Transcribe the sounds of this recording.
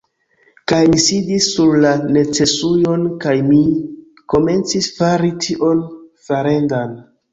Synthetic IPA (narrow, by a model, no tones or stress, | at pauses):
kajmisidisːuɾlane̞t͡se̞sujo̞nkajmi | ko̞me̞nt͡sisfaɾitʰiʔo̞nfaɾe̞ndan